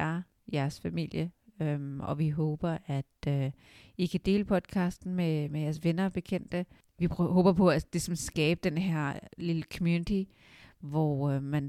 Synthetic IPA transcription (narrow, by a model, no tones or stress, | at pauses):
ɐ | jæɐsfæmil̰jəømʔɒ̽ʋiɦoːb̥ɐʔæd̥ø | ikʰæd̥e̝̰ːləpʰɒ̽d̥̚kʰɑ̈ːsd̥n̩memejæɐsʋe̝nɐb̥e̝kʰen̰d̥ə | ʋipʰɦoːb̥ɐpʰɒ̽ælisɒ̽msɡ̥ɛːb̥əd̥enɦeɐ̰liləkʰɒmjuːnit͡sʰi | ʋɒmæn